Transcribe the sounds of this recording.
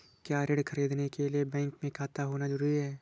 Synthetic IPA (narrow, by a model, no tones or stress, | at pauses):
kjaːɾeɽkʰəɾiːd̪nekelijebɛ̃ːŋkmẽkʰaːt̪aɦoːnad͡ʒʊɾuːɾiɦɛː